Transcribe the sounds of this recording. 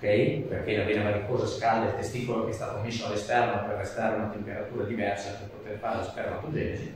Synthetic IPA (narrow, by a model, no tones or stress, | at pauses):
kɛjpeɾk̟enaveːnavad̪ikoːzaskald̪elt̪est̪iːkolokeɛst̪a̰ːt̪omesːoalːest̪ɛrnoperːest̪aːɾeunat̪empeɾat̪uːɾad̪ivɛrsaperpot̪erfaɾelesp̪ɛrnap̪ud̪ɛːze